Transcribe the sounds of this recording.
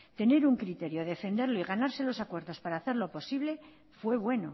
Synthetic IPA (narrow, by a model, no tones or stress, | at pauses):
t̪e̞ne̞ɾuŋkɾit̪e̞ɾjoðe̞fe̞nd̪eɾlo̞iɣanaɾse̞lo̞sakwe̞ɾðo̞spaɾaːθe̞ɾlo̞po̞siβle̞ | fwe̞βwe̞no̞